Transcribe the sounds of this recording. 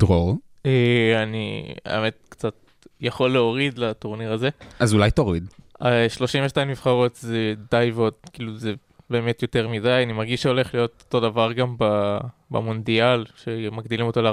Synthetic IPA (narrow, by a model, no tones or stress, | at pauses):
d̥ʁoʁ | eanḭḛme̞t̚kt͡sat | jaχo̞lːeo̞ʁidlatoʁniʁaze̞ʔazulajtaoʁid̪aʃlo̞ʃimveʃtaimːifχaʁo̞tzedajvod̚kiːluze | be̞ːme̞tjo̞te̞ʁmidajanimaʁɡiʃʃeo̞le̞χlijo̞toto̞davaʁɡambaba̰mo̞ndialʃe̞maɡdilimo̞to̞le